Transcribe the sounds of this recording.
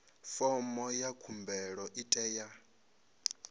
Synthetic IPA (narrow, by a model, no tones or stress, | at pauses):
fɔmɔjakʰumbɛɺɔʔitʼɛːja